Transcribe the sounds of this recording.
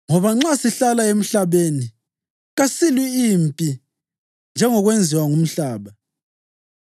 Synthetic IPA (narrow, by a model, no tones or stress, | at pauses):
ŋɔβaŋ͡ǁasiɬalaem̩ɬaβeni | ɣasiliimpʼi | nd͡ʒʱɛŋɔɣwend͡zʱiwaŋum̩ɬaːβa